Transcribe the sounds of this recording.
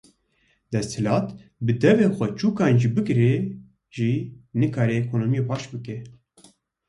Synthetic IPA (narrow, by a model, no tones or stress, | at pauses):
d̪ɛst̪ʰhɨlɑːt̪bɨd̪ɛveːxʷɛt͡ʃuːkɑːnʒiːbɨkɾɛ | ʒiːnɨkʰaːɾɛɛkʰoːnoːmijepʰɑːʃbɨkɛ